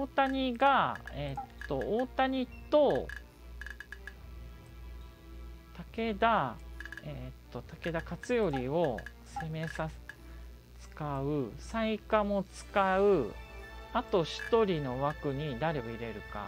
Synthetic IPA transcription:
oːt̪aɲ̟iɡaet̪ːo̞oːt̪aɲ̟it̪o̞ | t̪ake̞d̪a | et̪ːo̞t̪ake̞d̪akat͡sɨjo̞ɾʲio̞ | se̞me̞sa | t͡sɨ̥kaɯ̟saikamo̞t͡sɨ̥kaɯ̟ | at̪o̞ɕi̥t̪o̞ɾʲino̞βakɯ̟ɲ̟id̪aɾe̞o̞iɾe̞ɾɯ̟ka̰

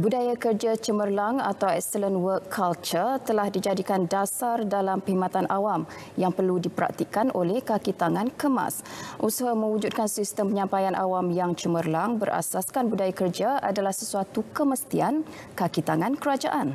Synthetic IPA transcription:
budajakərd͡ʒat͡ʃəmərlaŋa̰t̪awɛ̰ksələnwəkʰːalt͡ʃərt̪əlahdid͡ʒadikandasardalampəɦimãt̪anʔawam | jaŋpərludipəɾa̰k̚t̪ikanʔolɛhkakit̪aŋãnkəma̰sʔusaɦamə̃wud͡ʒut̪̚kansist̪əmpəɲãmpajanʔa̰wamjaŋt͡ʃəmərlaŋbəɾʔa̰saskanbudajakərd͡ʒaa̰dalahsəsuat̪ukəməst̪ian | kakit̪aŋãnkəɾad͡ʒaʔan

